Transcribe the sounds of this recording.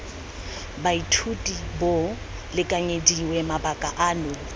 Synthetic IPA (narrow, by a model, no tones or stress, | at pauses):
baitʰutʼibo | lɪkʼaɲediwɛmabakʼaʔaːnʊ